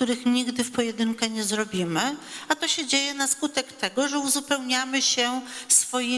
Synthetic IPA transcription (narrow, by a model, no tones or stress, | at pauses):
t̪uɾɘxɲiɡd̪ɘfpɔjɛd̪ɘŋkɛɲɛzɾɔbʲimɘat̪ɔɕɛd͡ʑejɛnaskut̪ɛkt̪ɛɡɔʐɛuzupɛwɲamɘɕɛsfɔji